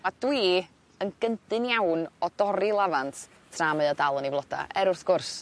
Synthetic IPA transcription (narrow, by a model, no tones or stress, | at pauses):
mad̥wiː | ənɡəndɨnjawnɔd̥ɔɾilˠavantʰ | tʰraməɨɔdalˠənivlˠɔda̰ʔɛɾʊrθɡ̥ʊrs